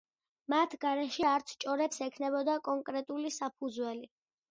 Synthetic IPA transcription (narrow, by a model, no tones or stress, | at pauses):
mat̪ʰɡaɾɛʃɛaɾt̪sʰt͡ʃʼɔɾɛpsɛkʰnɛbɔd̪akʼɔŋkʼɾɛt̪ʼulisapʰud̪zwɛli